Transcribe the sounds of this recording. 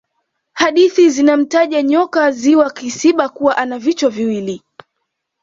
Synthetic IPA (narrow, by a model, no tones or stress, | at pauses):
haɗiθizinam̩taʄaɲɔkaziwakisiɓakuwaʔanavit͡ʃwɔviwili